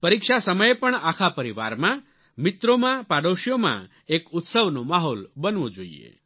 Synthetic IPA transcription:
pəɾikʃasəməjepəɳakʰapəɾiʋa̰ɾmã | mit̪ɾomãpaɽoʃjomã̰ | ekut̪səʋnomaɦɔlbənʋod͡ʒoḭḛ

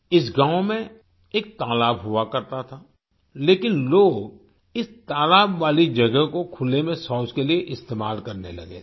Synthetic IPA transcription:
ɪs̬ɡãːomẽ | eːk̚t̪aːlaːbɦʊakɐɾt̪at̪ʰaː | leːkɪnloːɡ | ɪst̪aːlaːbʋaːlid͡ʒɐɡəɦkokʰʊlːemẽsɔːskelieʔɪst̪eːmaːlkɐɾnelɐ̰ɡḛː

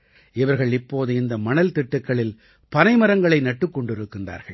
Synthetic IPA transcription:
ɪʋɐɾɣɐɭɪpːoːðɯɪnd̪ɐmɐnɐlt̪ɪʈːɯkːɐɭɪl | pɐnɐɪmɐɾɐŋɡɐɭɐɪnɐʈːɯkːɔɳɖɪɾɯkːɪndra̰ːɾɣɐɭ

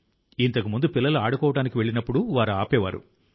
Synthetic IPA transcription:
int̪ɐkumund̪upilːɐluaːɽukɔːʋɐʈaːnikiʋe̞ɭːinɐpːuɽuʋaːɾuaːpɛːʋaːɾṵ

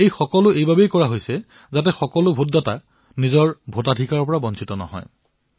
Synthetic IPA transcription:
ejxɔkɔlʊejbabejkɔɹaɦojsɛ | zat̬ɛxɔkɔlʊbʱutdata | nizɔɹbʱotadʱikaɹɔpɔɹabɔnsʰitɔnɔ̰ɦɔ̰j

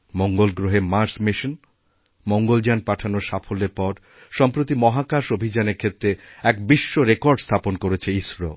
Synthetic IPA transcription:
moŋɡolɡɾoɦemaɾsmiʃon | moŋɡold͡ʑanpaʈʰanoɾʃafoleɾpɔɾ | ʃɔmpɾot̪imɔɦakaʃobʱid͡ʑaneɾkʰet̪ːɾeɛk̚biʃːoɾekɔɾɖst̪ʰaponkoɾet͡ɕʰeiʃɾo

